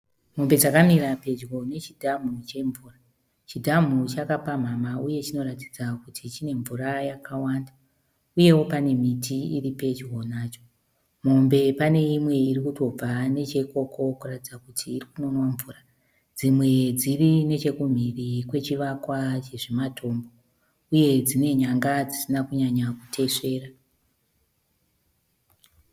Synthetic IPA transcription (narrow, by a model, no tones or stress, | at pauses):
m̤o̞mbe̞d͡zakamiɾape̞d͡ʒɣo̞ne̞t͡ʃidʱam̤ut͡ʃe̞ɱvuːra | t͡ʃidʱam̤ut͡ʃakapam̤amauje̞t͡ʃino̞ratid͡zakutʰit͡ʃine̞ɱvuɾajakʰawanda | uje̞wo̞pane̞mitʰiiripe̞d͡ʒɣo̞naːt͡ʃo̥ | mo̞mbe̞pane̞imwe̞irikuto̞b͡vane̞t͡ʃe̞ko̞kʰo̞kuratid͡zakutʰiːrikuno̞nwaɱvuːra | d͡zimwe̞d͡zirine̞t͡ʃe̞kum̤irikwe̞t͡ʃiʋakwat͡ʃe̞ʐe̞matʰo̞ːmbo̞ | uje̞d͡zine̞ɲaŋɡad͡zisinakuɲaɲakutʰe̞ʂe̞ːra